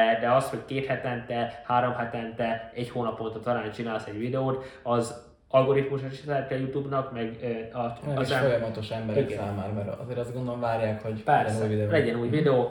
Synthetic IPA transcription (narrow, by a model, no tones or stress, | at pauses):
d̪ɛɒsho̞ckeːt̪hɛt̪ɛnt̪ɛhaːɾo̞mɦɛt̪ɛnt̪ɛɛɟhoːnɒpolt̪ɒt̪ɒɾaːnt͡ʃinaːlsɛɟʋid̪ɛoːt̪ɒz | ɒlɡo̞ɾit̪muʃɒiʃt̪ɛɛt̪ːɛjut̪uːbnɒkmɛɡøɒzɛfojɒmɒt̪o̞ʃɛmbɛɾikɛaːmaːɾmɛɾɒzeːɾɒzɡond̪ooɱvaːɾjaːkho̞ɟpɛrsɛvid̪ɛlɛɟɛnuːjvid̪ɛoː